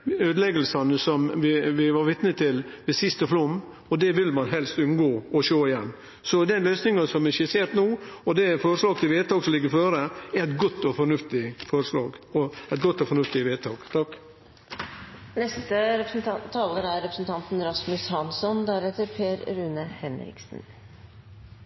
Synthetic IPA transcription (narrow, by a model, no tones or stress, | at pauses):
øːd̪əlɛɡəlsɑnəsɔmʋɪʋɪʋɑɾʋɪt̪nət̪ʰɪlʋɛsɪst̪əflʊmː | ɔd̪ɛʋɪlmɑnɦɛlst̪ʉnɡoːɔʃoːɪjɛnː | sɔd̪ɛnløːsnɪŋɑsɔmɛçəseːɾt̪nuːɔd̪ɛfɔɾʂlɑːɡt̪ɪlʋeːt̪ʰɑːɡsɔmlɪɡːəɾføːɾəæɾɛt̪ɡɔt̪ːɔfɔɾnʉft̪ɪfɔɾʂlɑ̰ːɡɔɛɪt̪̚ɡɔt̪ːɔfɔɾnʉft̪ɪʋeːt̪ʰɑːɡ̥t̪ʰɑk | nɛst̪əɾɛpɾsnt̪ʰɑːləɾæɾɾɛpɾəsn̩t̪ʰɑnt̪n̩ɾɑsmʉshɑnsɔnd̪æɾɛt̪ːəɾpʰeːɾɾʉːnəhɛnɾɪ̰ksn̩